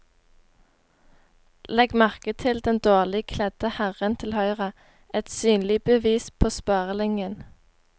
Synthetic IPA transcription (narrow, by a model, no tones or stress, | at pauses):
lɛɡmæʁkət̪ʰɪld̪ɛnd̪oːʁlɪkʰlɛd̪̥əhæʁənt̪ʰɪlhœʏʁə | ʔɛt̪syːnlɪbəʋiːspʰoːspɑːʁəlɪŋən